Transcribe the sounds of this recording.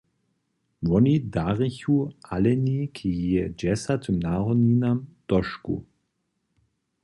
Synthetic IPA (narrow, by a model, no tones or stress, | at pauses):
ʋɔnidaʁɪçuʔalɛnikʰijiəd͡ʒɛsat̪ʰənaʁɔninamd̪̥ɔʃkṵ